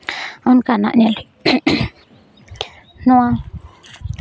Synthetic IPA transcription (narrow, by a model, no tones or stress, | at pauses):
onkanã̰ʔɲãl | nũã